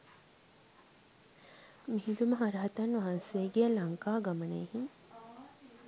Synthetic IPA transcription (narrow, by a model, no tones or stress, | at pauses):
miɦid̪uməɦaɾɐɦɐt̪anʋaɦanseəɡijəlaŋkaːɡamənḛhiŋ